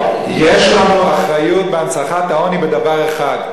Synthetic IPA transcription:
jeʃlanuaχʁajut̪̚beansaχat̪aonibed̪avaʁeχad̪

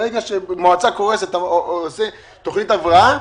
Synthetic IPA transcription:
eɡaʃemoat͡sako̞ʁeset̪aoose | t̪oχnit̪avʁaa

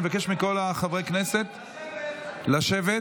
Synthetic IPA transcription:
evake̞ʃmiko̞laχavʁekne̞se̞t̪ | laʃe̞ve

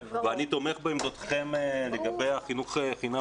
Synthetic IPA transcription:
veanit̪o̞me̞χboimd̪ot̪χe̞mleɡabe̞jaχinuχeχina

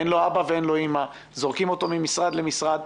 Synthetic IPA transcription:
enlo̞abaveenlo̞ima | zo̞ʁkimo̞t̪o̞mimisʁad̪lemisʁad̪

